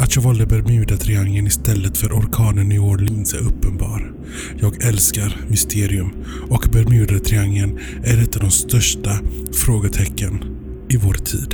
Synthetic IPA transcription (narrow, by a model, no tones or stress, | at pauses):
at̪jɑːɡvɑːld̪əbɛɾmjʉ̟ːd̪at̪ʰɾɪaŋːənɪst̪ɛlːət̪fœɾʔɔɾkʰɑːnənɪoːɾlɪnsɛ̰ɵpːənbɑ̰ːɾ | jɑːɡɛlskaɾmʏst̪ʰeːɾɪɵm | ɔkbɛɾmjʉ̟ːd̪at̪ʰɾɪaŋlən | æɖɛt̪ːavd̪ɔmst̪œʂʈafɾoːɡət̪ʰɛkːən | ɪvoːɾt̪ʰḭːd̪̥